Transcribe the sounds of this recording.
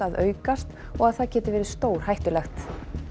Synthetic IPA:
aðœːɥkast̪ | ɔɣaðθaðcʰɛːt̪ɪvɛːɾɪst̪oːwɾ̥hajht̪ʏlɛxt̪

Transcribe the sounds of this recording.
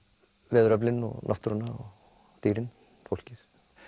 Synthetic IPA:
vɛːðʏɾaplɪnɔ̰ɣna̰ft̪ɾanaɔ̰ɣ | t̪iːɾɪn | fowl̥cɪɾ̥

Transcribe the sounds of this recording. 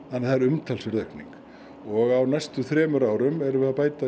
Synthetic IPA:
θanːɛθaðɛɾʏmt̪ʰɛlsvɛɾðœhknḭŋk | ɔɣawnajst̪ʏθɾɛːmʏɾaːwɾʏmɛɾʏvɪðapaːjt̪a

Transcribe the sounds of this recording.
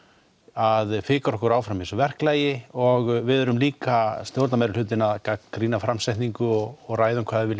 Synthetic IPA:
aðfɪːkaɾɔhkʏɾaːwfɾamɪ̃nsɔvɛr̥klaːjɪɔɣvɪðʏɾʏmliːkast̪jowɾt̪namajɾɪlʏːt̪̬ɪnaðkakɾiːnafɾamsɛjht̪niŋkʏɔɣɔɣraːjðʏmkʰvaːðɪvɪl

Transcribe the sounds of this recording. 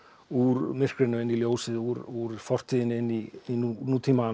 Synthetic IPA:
uɾmɪr̥kɾɪnʏɪnːiljoːwsɪðuɾuɾfɔr̥t̪ʰiðɪnɪnːiinunut̪ʰiːma

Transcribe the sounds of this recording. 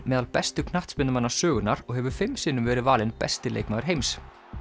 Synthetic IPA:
mɛːðalpɛst̪ʏkʰnaht̪spɪnt̪ʏmanːasœːɣʏnaɾɔɣhɛvʏ̥fɪmsɪːnːʏmvɛːɾɪvaːlɪnpɛ̰st̪ɪlḛjkmaɣɾ̥ɦejms

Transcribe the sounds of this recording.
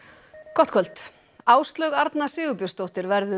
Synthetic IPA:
kʰɔt̪kʰœl̥t̪ | aːwst̪lœɣaɾt̪nasɪːɣʏpjʏst̪owht̪ɪɾvɛɾðʏ

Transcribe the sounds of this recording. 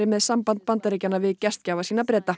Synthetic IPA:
ɪmɛðsampant̪̚pant̪aɾeːcanavɪðcɛst̪caːvasiːnapɾɛːt̪a

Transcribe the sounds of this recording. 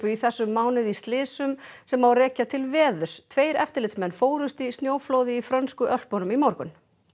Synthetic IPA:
pʏiθɛsːʏmːawnɪðist̪lɪːsʏmsɛmːawrɛːcat̪ʰɪlvɛːðʏ̥st̪ʰveːjɾɛft̪ɪɾlɪt̪smɛnːfoːwɾʏst̪ist̪njoːwfloːwðɪifɾœnskʏʔœl̥pɔnʏmimɔwɾkʏn

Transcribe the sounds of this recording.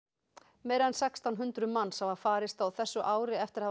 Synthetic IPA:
meːjɾaðɛnsɛkst̪ʰawnɦʏnt̪ɾʏmanːsavafaːɾɪst̪awθɛsːʏʔaːwɾɪɛft̪ɪɾ̥ha

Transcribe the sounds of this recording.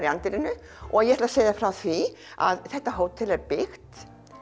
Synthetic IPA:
ɾiant̪ɪɾɪnːʏ | ʔɔ̰aðjɛɛɾt̪aseːjðafɾawθvia̰ðθɛht̪ːaɦoːwt̪ʰːɪlɛɾpɪxt̪

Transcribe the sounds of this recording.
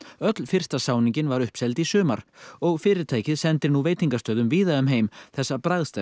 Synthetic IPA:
œt̪lfɪr̥st̪asaːwniɲcɪnvaɾʏhpsɛlt̪isʏːma̰ɾ̥ɔɣfɪːɾɪɾt̪ʰaːjcɪðsɛnt̪ɪɾnuveːjt̪iŋkast̪œːðʏmviːðaʏmɦeːjmθɛsːapɾaðst̪a

